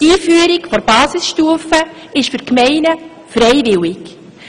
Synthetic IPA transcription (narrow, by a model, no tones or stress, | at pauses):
tiːfyəɾɪkfɔɾb̥ɑːsɪsʃtuːəfə | ɪʃfʏɾkmɛɪnə | fɾɛɪvɪwɪk